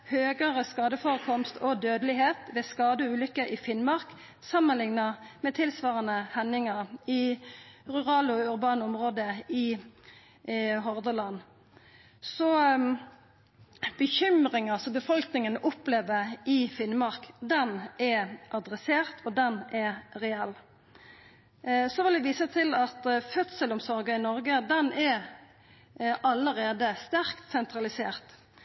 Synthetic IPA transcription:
høːɡəʁəskɑːd̪əfoːʁəkʰɔmst̪ʰɔd̪øːd̪əlɪɦeːt̪ʋɛːskɑːd̪əʉːlʏkːəʔɪfɪnmɑʁk | sɑmːənlɪŋnɑmɛːt̪ʰɪlsʋɑːʁənəhɛnːɪŋəʁɪ | ʁʉʁɑːlɔʉʁbɑːnəɔmʁoːd̪əɪ | ɦɔʁd̪əlɑn | sɔ | b̥əçʏmɾɪŋɑlsɔbəfɔlknɪŋənʊpleːʋəɪfɪnmɑʁkd̪ɛnɛʔɑd̪ɾɛseːʁt̪ʰɔd̪ɛnɛʁɛɛlː | sɔʋɪld̪ɛʋiːsət̪ʰɪlɑt̪fœt̪səlʊmsɔɾɡɑɪnɔɾɡəd̪ɛnʔɛ | ɑlːəɾeːd̪əst̪æʁkt̪sɛnt̪ɾɑlɪsḛːʁt̪

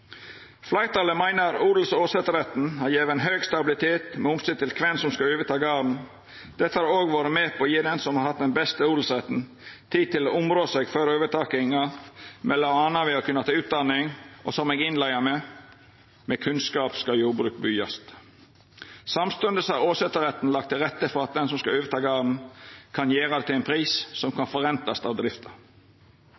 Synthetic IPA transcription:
flæɪɾt̪ʰɑːləmæɪnəɾuːd̪l̩soːsɛt̪əɾɛt̪n̩hɑɾjeːʋəɛnɦøːɡst̪ɑbɪlɪt̪ʰeːt̪mɛʊmsɪd̪t̪ɪlkʰʋɛnsɔmskɑøːʋət̪ʰɑːɡɑːn̩ | d̪̥ɛt̪ːəhɑɾoːɡʋɑːɾəmeːpʰɔːjiːd̪ɛnsɔmhɑɾhɑt̪̚d̪ɛnbɛst̪əuːd̪l̩sɾɛt̪n̩ | t̪ʰiːd̪̚t̪ɪloʔʊmɾoːsɛɡføɾøːʋət̪ʰɑːkɪŋɑmɛlɑɑnɑʋɪɑkʰʉnːɑt̪ʰɑːʉːt̪̚d̪ɑnːɪŋɔsɔmɛɡɪnlæɪɑmɛ | mɛkʰʉnskɑːpskɑjuːɾbɾʉːk̚byːɑst̪ | sɑmst̪ʉnd̪əshɑɾoːsɛt̪ːəɾɛt̪ːn̩lɑk̚t̪ʰːɪlɾɛt̪ːəfɔɾɑt̪̚d̪ɛnsɔmskɑøːʋəɾt̪ʰɑːɡɑːʁn̩kʰɑnjeːɾɑd̪ɛt̪ʰɪæɪnpʰɾiːssɔmkʰɑnfɔɾɛnt̪ɑst̪ɑːʋd̪ɾɪft̪ʰɑ

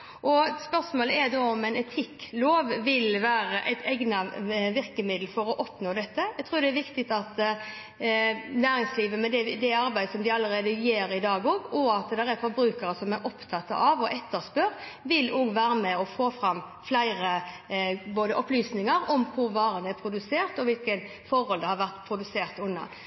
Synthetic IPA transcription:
ʔɔspœʁsmoːləɛd̪oɔmɛɪnɛt̪ʰɪkːloːʋʋɪlʋæːɾəʔæ̰ɪt̪ʰɛɡnɑʋɪɾkəmɪd̪l̩fɔɾɔʔɔpnoːd̪ɛt̪ːəæɡt̪ʰɾuːd̪ɛæɾʋɪkt̪ɪt̪ɑt̪ | næːɾɪŋsliːʋəmɛd̪ɛd̪ɛɑɾbæɪd̪əsɔmd̪ɪɑlːəɾeːd̪əjeːɾɪd̪ɑːɡɔːɡɔɑt̪d̪ɛɾɛɾfɔɾbɾʉːkəɾəsɔmɛɾʔɔpt̪ʰɑt̪ːɑ̰ʔɑʋɔʔɛt̪ːəɾspœɾʋɪloːɡʋæːɾəmɛɔfoːfɾɑm | flæɪɾə | boːd̪əʔɔplyːsnɪŋəɾɔmkʰʊɾʋɑːɾənd̪æpʰɾʊd̪ʉseːɾʁt̪ɔʋɪlkən | fɔɾhɔld̪ɛhɑɾʋæʁt̪pʰɾʊd̪ʉseːɾt̪ʉnːɑ̰

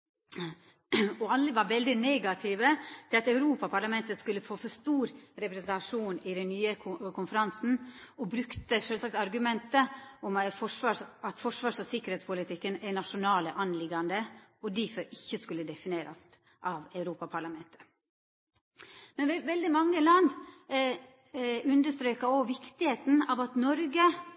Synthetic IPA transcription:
ɔɑlːəʋɑɾʋɛld̪ɪneːɡɑt̪ʰiʋət̪ʰɪlɑt̪ɑʉɾuːpɑpʰɑɾɭɑmɛnt̪əskʉlːəfoːfɔst̪uːɾɾɛpɾɛsnt̪ɑʂuːnɪd̪ɛnnyːəkʰʊnfəɾɑnsn̩ɔbɾʉkt̪əʂøːlsɑk̚t̪ɑɾɡʉmɛnt̪əɔmfɔʂʋɑːɑt̪fɔʂʋɑːʂɔsɪkːəɾheːt̪spʊlɪt̪ʰɪkːənɛnɑʂʊnɑːləʔɑnlɪɡɑnd̪əɔd̪ɪfɔɾʔɪçːəskʉlːəd̪ɛfɪneːɾʔɑst̪ | ʔɑʋɑʉɾuːpɑpʰɑɾɭlɑmɛnt̪ə̥ | mɛnʋɛʋɛld̪ɪmɑŋːəlɑnd̪ | ʉnd̪əʂt̪ɾøːkɑɔʋɪkt̪ɪheːt̪n̩ɑːʋɑt̪nɔɾɡə

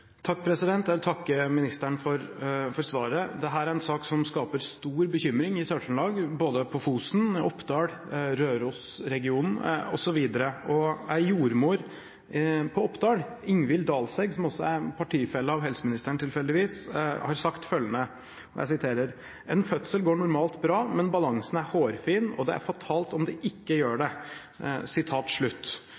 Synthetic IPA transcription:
t̪ʰɑkːpʰɾɛsɪd̪ɛnt̪jæʋɪlt̪ʰɑkːəmɪnɪst̪əɳfɔɾfɔɾsʋɑːɾəd̪ɛɦæːɾæɾɛnsɑːksɔmskɑːpəɾst̪uːɾbəçʏmɾɪŋɪsɑːʈʂɳlɑːɡboːd̪əpʰɔfuːsn̩ɔpːd̪ɑːɽ | ɾøːɾuːs | ɾɛɡɪuːnn̩ɔ̰sɔʋiːd̪əɾəɔæɪjuːɾmoːɾ | pʰɔɔpːd̪ɑːɽ | ɪŋʋɪld̪ɑːlsɛɡsɔmɔsːɔæɾpʰɑʈʰiːfɛlːəɑʋɦɛlsəmɪnɪst̪əɳʈ̪ʰɪlfɛld̪ɪʋiːshɑɾsɑkt̪fœlːənə | ɔjæ̰ɪsɪt̪ʰeːɾəɾ | ɛnfœt̪səlɡoːɳʊɾmɑːlt̪bɾɑːmɛnbɑlɑŋsn̩æɾhoːɾfiːnɔd̪ɛ̰æ̰ɾfɑt̪ʰɑːlt̪ɔmd̪ɛʔɪkːəjøːɖɛ | sɪt̪ʰɑːt̪ʂɭʉt̪ː

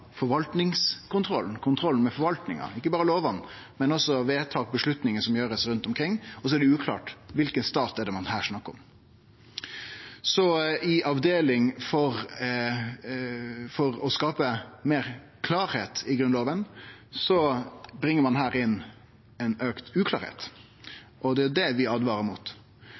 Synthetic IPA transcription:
fɔɾʋɑlt̪nɪŋskʰʊnt̪ʰɾɔ̰ln̩kʰʊnt̪ʰɾɔln̩mɛfɔɾʋɑlt̪nɪŋɑ̰ɪkːəbɑːɾəloːʋɑnːmɛnɔsːɔʋeːt̪ʰɑːk̚bəʂɭʉt̪nɪŋəsɔmjøːɾəsɾʉnt̪ɔmkʰɾɪŋːɔsɔæɖɛʉːkʰlɑ̰ːʈʋɪlkənst̪ɑːt̪ɛɖ̪ɛmɑnhæːʂnɑkːəɾɔ̰m | sɔɪʔɑʋd̪eːlɪŋfɔɾ | fɔɾɔskɑːpəmeːɾ | kʰlɑːɾheːt̪ɪɡɾʉnloːʋənsɔbɾɪŋːəmɑnhæːɾɪnː | ɛnøːkt̪ʉːkʰlɑ̰ːɾhḛːt̪ | ʔɔd̪ɛjʊd̪ɛʋɪɑːd̪ʋɑːɾəɾmuːt̪

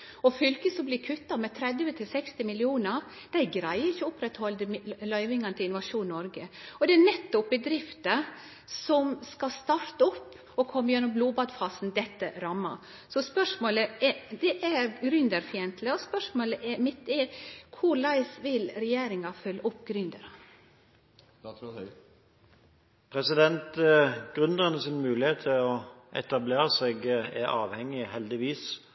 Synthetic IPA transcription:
ɔfʏlkəsɔmblɪɾkʰʉt̪ːɑmɛt̪ʰɾɛd̪ʋət̪ʰɪlsɛkst̪ɪmɪlɪuːnəɾ | d̪̥æɪɡɾæɪəɾɪçəʊpɾɛt̪hɔld̪əlœʏʋɪŋɑnət̪ɪɪnʊʋɑʂuːnnɔɾɡəɔd̪ɛænɛt̪ːʊpːəd̪ɾɪft̪ə | sɔmskɑst̪ɑɾt̪ɔpː | ɔkʰɔmːəjɛnːɔmbluːbɑd̪fɑːsnd̪ɛt̪ːəɾɑmːɑ̰ | sɔspœʂmoːləɛd̪ɛʔæɾɡɾʏnd̪əɾfɪɛnt̪ʰləɔspœʂmoːləʔɛɾmɪt̪ːɛkʰʊɾlɑɪsʋɪlɾɛjeːɾɪŋɑfœlːəʔɔpːɡɾʏnd̪əɾɑ | pʰɾɛsɪd̪ɛnt̪ɡ̥ʁʉnd̪ʁənəsɪnmʉːlɪheːt̪ʰːɪlɔʔɛ̰t̪ɑbleːɾəseɡæɾɑːʋhɛŋːɪhɛld̪ɪʋiːs

